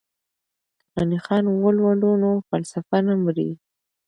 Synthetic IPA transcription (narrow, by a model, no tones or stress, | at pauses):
anixɑnwəlwalunofalsafanamɾḭ